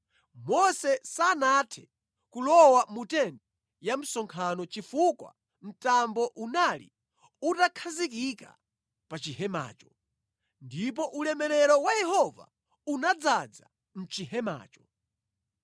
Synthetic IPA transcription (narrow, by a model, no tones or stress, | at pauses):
mɔsɛsanatʰɛ̥ | kulɔwamutɛndɛ | jam̩sɔŋkʰanɔt͡ʃifukwa̰ | m̩tambɔʔunalḭ | utakʰazikika̰ | pat͡ʃihɛma̰ːt͡ʃɔ̥ | ndip̬ɔʔulɛmɛɾɛɾɔwajɛhɔva̰ | unad͡zad͡za | m̩t͡ʃihɛma̰ːt͡ʃɔ̥